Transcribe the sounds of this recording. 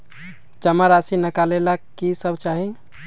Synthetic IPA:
d͡ʒəmaɾasinəkalelakːisəbʱt͡ʃaɦi

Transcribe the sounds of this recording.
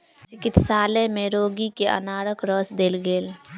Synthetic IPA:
t͡ʃɪkɪt̪saːlẽmẽɾoːɡikeʔɐ̰naːɾəkɾəːsd̪eːlɡeːl

